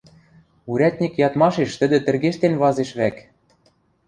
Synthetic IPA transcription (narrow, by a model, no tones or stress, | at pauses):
uɾʲæt̪̚ʲnʲikjɑt̪mɑʃeʃt̪ɘ̆d̪ɘ̆t̪ɘ̆rɣeʃt̪enβɑzeʃβæk